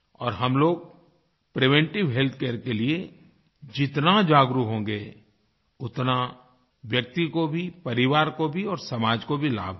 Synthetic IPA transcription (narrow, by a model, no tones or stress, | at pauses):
ɔːɾɦɐmloːɡ̚ | pɾɪʋɛ̃ɳʈɪʋɦɛlt̪ʰkeːəɾkelie | d͡ʒɪt̪nad͡ʒaːɡɾukɦõːɡe | ʊt̪na | ʋjək̚t̪ikobʱipɐɾɪʋaːɾkobʱiɔːɾsɐmaːd͡ʒkobʱila̰ːbʱ